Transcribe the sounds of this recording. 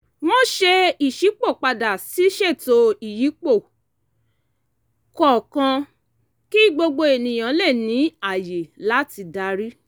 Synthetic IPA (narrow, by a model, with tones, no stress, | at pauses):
w̃ɔ̃˦ʃe˧i˨ʃi˨˦k͡po˦˨k͡pa˧da˨si˨˦ʃe˦˨to˧i˨ji˨˦k͡po˦˨ | kɔ˦˨kã˧ | ki˦˨ɡ͡bo˧ɡ͡bo˧e˨nĩ˨j̃ã˨˦lɛ˦˨nĩ˨˦a˦˨je˨la˨˦ti˧da˧ɾi˦